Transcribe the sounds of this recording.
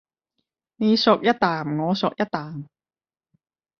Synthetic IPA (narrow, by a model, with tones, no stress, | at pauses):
ni˨˧sʊ˨k̚jɐ˥t̚t̪ːaː˨˩mŋɔː˨˧sɔ˨k̚jɐ˥t̪̚t̪ːaː˨˩m